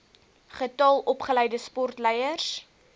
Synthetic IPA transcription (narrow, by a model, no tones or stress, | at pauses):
χətɑlˠɔpχəlɛjdəspɔrtlɛjərs